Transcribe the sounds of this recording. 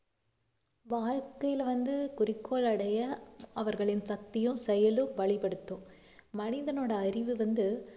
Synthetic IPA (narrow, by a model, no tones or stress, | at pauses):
ʋaːɻkɐjɪlʋɐnd̪ɯkʊrɪkʰːoːɭɐɽɐjɐɐʋɐɾɣɐɭɪnsɐk̚t̪ɪjɯ̃sɛjɐlɯʋɐɭɪpɐɽɯt̪ːɯ̃ | mɐnɪðɐnoːɽɐːɾɪʋɯʋɐnd̪ɯ